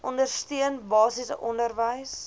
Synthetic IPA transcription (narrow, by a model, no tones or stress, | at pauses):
ʔɔndərstiənbɑːsisʔɔndərvəjs